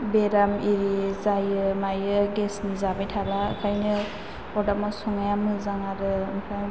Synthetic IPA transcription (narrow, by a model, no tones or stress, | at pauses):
beɾamiɾizajɯmajɯɡɛsnizabajtʰalaɯ̰kʰajnɯ | ɔdamɔsɔŋajamɯzaŋaɾɯmpʰa